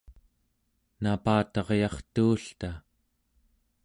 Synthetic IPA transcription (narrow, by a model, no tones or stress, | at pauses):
napaːt̪ɑʁjɑχt̪uːɬt̪a